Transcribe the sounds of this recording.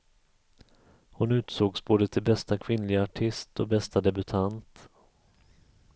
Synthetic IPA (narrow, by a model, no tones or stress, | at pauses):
hʊnʉ̟ːt̪soːɡsboːd̪ət̪ʰɪlbɛst̪akʰvɪnlɪɡaaʈʰɪst̪ɔbɛst̪ad̪ɛbɵt̪ʰant̪